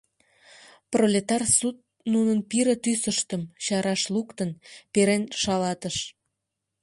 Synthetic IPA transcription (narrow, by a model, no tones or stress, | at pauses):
prolʲet̪ɑrsut̪̚ | nunənpiɾə̆t̪ysəʃt̪əmɕɑɾɑʃlukt̪ənpeɾenʃɑlɑt̪əʃ